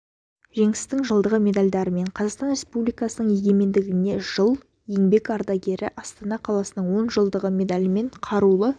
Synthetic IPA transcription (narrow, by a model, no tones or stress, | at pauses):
ʒe̞ŋɪɪst̪ɪŋʒəlˠd̪əʁəmʲe̞d̪alʲd̪ɑɾəme̞ɴqʰɑzɑqst̪ɑnɾʲe̞spublijkɑsənəɴje̞ɡʲe̞me̞nd̪ɪɡʲɪne̞ʒ̥əlˠ | je̞ŋbe̞kɑɾd̪ɑɡʲe̞ɾɪʔɑst̪ɑnɑqʰɑlˠɑsənəɴwo̞nʒəlˠd̪əʁəmʲe̞d̪alʲɪme̞ɴqʰɑɾulˠə